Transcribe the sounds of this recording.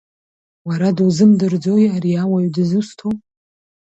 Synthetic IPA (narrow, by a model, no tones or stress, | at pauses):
waɾaduzɨmdɨrd͡zo̞jaɾiawaɥdɨzɨstʰo